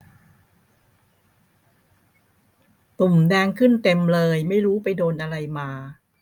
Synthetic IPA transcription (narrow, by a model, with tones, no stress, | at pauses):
t̪u˨˩mdɛː˧ŋkʰɯ˥˩nt̪e˧mlɤː˧jma˥˩jɾuː˦˥pa˧jdoː˧nʔa˧ɾa˧jmaː˧